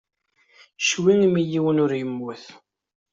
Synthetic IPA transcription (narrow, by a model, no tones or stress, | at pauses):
ʃwiŋmijiwənʊɾjəmːuθ